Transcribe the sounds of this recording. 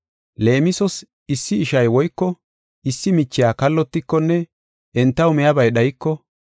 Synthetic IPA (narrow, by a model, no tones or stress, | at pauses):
le̞ːmɪsɔs | ɪsːɪːʃɐjwɔjkːɔ | ʔɪsːɪmɪt͡ʃːɪjaːkɐlːɔt̪ːɪkːɔnːɛ | ʔɛnt̪ːɐwmɛjɐbɐjɗɐjɪkːɔ